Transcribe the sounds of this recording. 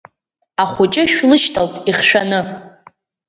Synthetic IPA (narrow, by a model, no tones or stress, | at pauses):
aχʷʊt͡ʃʼɪʃᶣlɨʃtʰaltʼiχʂanɨ